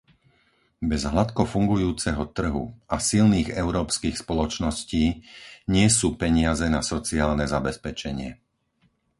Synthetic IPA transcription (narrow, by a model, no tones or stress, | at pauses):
bɛzɦlat̪kɔfuŋɡujuːt͡sɛɦɔt̪r̩ɦṵʔasilniːɣɛʊɾɔːpskiːxspɔlɔt͡ʃnɔsciːɲɪɛsuːpɛɲɪazɛnasɔt͡siaːlnɛzabɛspɛt͡ʃɛɲɪɛ